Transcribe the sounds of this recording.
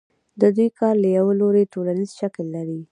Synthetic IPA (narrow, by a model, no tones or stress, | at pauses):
d̪əd̪ujkɑɾlajawəloɾeʈolanizʃaklːaɾi